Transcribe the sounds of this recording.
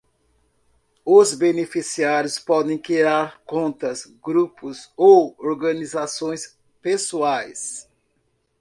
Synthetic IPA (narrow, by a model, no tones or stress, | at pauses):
ʊzbenefisiaɾjʊspɔd̪ẽj̃kiɾaɾkõnt̪ɐsɡɾupʊzowoɾɡɐ̃nizasõj̃s | pesuajs